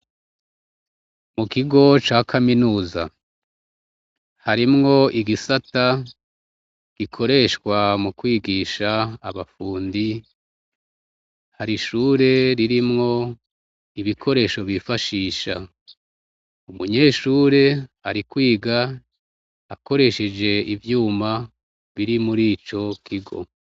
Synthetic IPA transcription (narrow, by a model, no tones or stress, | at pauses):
mukiɡo̞t͡ʃaːkʰaminuːza̰ | haɾimŋo̞iɡisata | ɡ̥ikʰo̞ɾe̞ʃkwamukwiːɡiːʃaːβafuːndi | haɾiʃuːɾe̞ɾiɾimŋo̞ | iβikʰo̞ɾe̞ʃo̞βifaʃiːʃa̰ | umuɲe̞ːʃuːɾe̞aɾikwiːɡa | ako̞ɾe̞ʃe̞d͡ʒe̞ivjuːma | βiɾimuɾiːt͡ʃo̞kiɡo̞̰